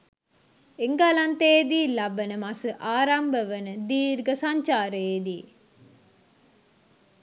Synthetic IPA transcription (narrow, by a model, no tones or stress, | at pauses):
eŋɡalant̪ejd̪iːlabənəmasəʔaːɾambəʋənəd̪iːɾɡəsaɲt͡ʃaːɾəjed̪iː